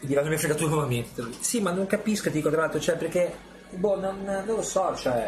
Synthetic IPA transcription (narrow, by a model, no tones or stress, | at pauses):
d̪ivanːomiafɾeɡat̪unovament̪et̪simanːoŋkapiskoed̪ikot̪ɾalalt̪ɾot͡ʃɛperkːe | bononnõnlosɔt͡ʃɛ